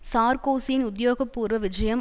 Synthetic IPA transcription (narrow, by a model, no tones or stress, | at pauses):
saːɾkoːsɪjɪnʊðjoːɣɐpːuːɾʋɐʋɪd͡ʒɐjɐm